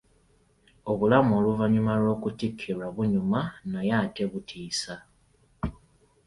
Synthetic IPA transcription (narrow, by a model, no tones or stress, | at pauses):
o̞βulamo̞ːluvaɲumalwo̞ːkutikʰːiɾaβuɲumanajaːte̞βutʰiːsa